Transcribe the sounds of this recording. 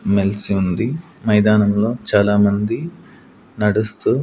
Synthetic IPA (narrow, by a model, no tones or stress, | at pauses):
melsiund̪i | mɐjd̪aːnɐmlo̞ːt͡ʃaːlaːmɐnd̪i | nɐɽust̪u